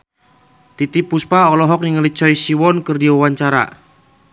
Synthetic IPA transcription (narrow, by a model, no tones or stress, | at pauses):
t̪it̪ipuspaɔlɔɦɔk̚niŋalit͡ʃɔisiwɔnkɨrdiwawaɲt͡ʃaɾa̰